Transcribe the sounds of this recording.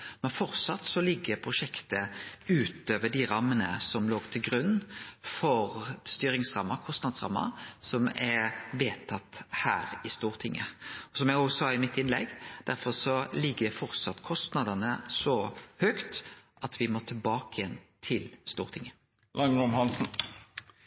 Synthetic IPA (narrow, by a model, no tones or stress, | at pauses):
mɛnfɔɾsɑt̪ːsɔlɪɡːəpʰɾʊʂɛkt̪əʉːt̪øːʋəɖɪɾɑmːənə̰sɔmloːɡ̥t̪ʰɪlɡɾʉnːfɔɾst̪yːɾɪŋsɾɑmːɑkʰɔst̪nɑd̪sɾɑ̰mːɑ̰sɔmɛʋeːt̪ʰɑt̪ːhæ̰ːɾɪst̪uːɾt̪ʰɪŋːə̰ɔsɔmjæɡɔsɑːɪmɪt̪ːɪnlɛ̰ɡːd̪̥æɾfɔɾsɔlɪɡːəfɔɾt̪sɑt̪ːkʰɔst̪nɑd̪ɑnəsɔhøkt̪ʔɑt̪ʰʋɪmoːt̪ʰɪlbɑːkəjɛnt̪ʰɪlst̪ṵːɾt̪ʰɪŋːə | lɑŋɾʊmhɑnsn̩